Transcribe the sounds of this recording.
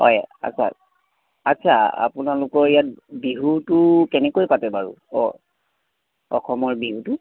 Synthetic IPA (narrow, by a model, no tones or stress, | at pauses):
ɦɔ̰ja̰sʰa̰ | atːsʰaa̰punalʊkɔɹijat̚biɦutʊkɛnɛkojpatɛbaɹṵɔ̰ | ɔxɔmɔɹbiɦutʊ